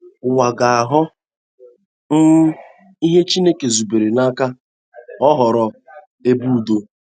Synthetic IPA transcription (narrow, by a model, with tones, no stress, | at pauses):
wa˨ɡa˨a˨ɦʊ˦ | n̩˦ | i˦ɦe˦t͡ʃi˦ne˦ke˨zu˨be˨ɾe˨na˦ka˦ | ɔ˦ɦɔ˨ɾɔ˨ | e˦bu˦˨do˦